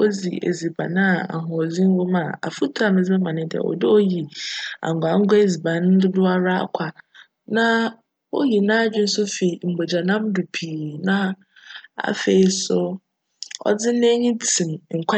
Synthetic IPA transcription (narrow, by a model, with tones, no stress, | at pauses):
o˦d͡zḭ˨ʔḛ˨zi˨ba̰˨nã˦˨a̰˨ɦɔ˨d͡zĩ˦n˦wʊ˦mã˨a̰˨fu˦tʰu˨˦a˨mɪ̃˨zɛ˦ã˨nɪ̃˦dɪ˨a̰˨wɔ̰˨dɪ˦o˦ji˨a̰˨ŋ˨ɡʷa˨˦ŋ̩˦ɡʊ˦e˦zi˨bã˨n˦dʊ˦dʊ˦a˦ɾa˦˨kʷʰa˨ | nã˦ | wo̰˦ji˨nã˦˨˦d͡ʑᶣɪ˦n̩˦sʊ˦fe˨i˨m̩˨bo˨d͡ʑa˨nã˦mdu˨pʰiː˨nã˦ | a̰˨fe˨i˦sʊ˦ | ɔ̰˦d͡zɪ˦n˦e˦ɲĩ˦tʰĩ˨mŋ̩˨kʰʷa˦